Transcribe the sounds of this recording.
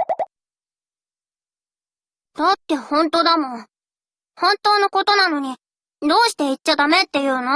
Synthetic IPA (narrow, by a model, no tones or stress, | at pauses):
d̪̥at̪ːe̞hõ̞nt̪o̞ːd̪amõ̞ | hõ̞nt̪o̞ːnoko̞t̪o̞nano̞ɲ̟i | d̪o̞ːɕi̥t̪e̞it͡ɕːad̪ame̞t̪ːe̞jɯ̟ːno